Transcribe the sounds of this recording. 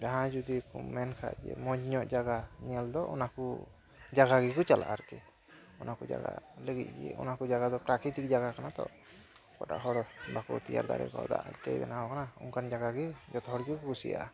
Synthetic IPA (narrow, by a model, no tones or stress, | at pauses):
d͡ʒaɦãd͡ʒud̪ikumɛnkʰa̰d͡ʒɛ̰mɔd͡ʒɲɔʔd͡ʒaɡaɲɛld̪ɔʔɔ̰naku | d͡ʒaɡaɡɛkɔt͡ʃalʔa̰ʔaɾkɛ | ɔnakud͡ʒa̰ɡa̰ləɡit̪̚ˀɡɛ̰ʔɔnakud͡ʒaɡad̪ɔpɾakʰɾit̪ik̚d͡ʒaɡakanat̪ɔ̰ʔ | kɔʈa̰ʔɦɔɽbakɔt̪ija̰ɾd̪a̰ɾɛ̰kɔ̰d̪a̰ʔa̰ct̪ɛbɛ̰naɦɔkanauŋkand͡ʒaɡaɡɛd͡ʒɔt̪hɔɽkikɡusḭja̰ʔa